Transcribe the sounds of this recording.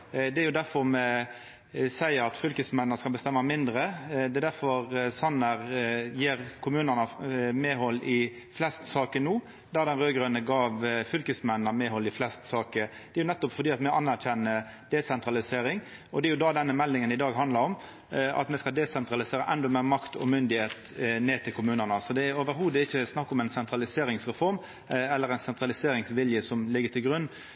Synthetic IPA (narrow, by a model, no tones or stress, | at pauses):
d̪ɛæɾjʊd̪æɾfɔɾmɛ | sæɪəɾɑt̪fʏlkəsmɛnːəskɑlbəst̪ɛmːɑmɪnd̪ɾəd̪ɛɛd̪æɾfɔʁsɑnːəʁjeːɾkʰʊmʉːnənɑmeːɦɔlːɪ | flɛst̪sɑːkənuː | d̪æɾd̪ɛnʁøːɡɾʉnəɡɑːʋfʏlkəsmɛnnɑmeːɦɔlːɪflɛst̪sɑːkəd̪ɛɾjʊnɛt̪ːɔpfɔɾdiːɑt̪mɛʔɑnːæɾçɛnːə | d̪̥ɛsɛnt̪ɾɑlɪseːɾɪŋ | ɔd̪ɛæɾjʊd̪ɑd̪ɛnːəmɛlːɪŋənɪd̪ɑːɡɦɑnd̪ləɾɔm | ʔɑ̰t̪mɛskɑld̪ɛsɛnt̪ɾɑlɪseːɾəʔɛnd̪ʊmeːɾmɑkt̪ʰɔ̰mʏnd̪ɪheːt̪ | neːt̪ʰɪlkʰʊmʉːnənəsɔd̪ɛæɾoːʋəɾɦuːd̪əɪçːəsnɑkːɔmɛɪnsɛnt̪ɾɑlɪseːɾɪŋsʁɛfɔɾm | ɛlːəɾɛɪnsɛnt̪ɾɑlɪseːɾɪŋsʋɪljəsɔmlɪɡːət̪ʰɪlɡɾʉnː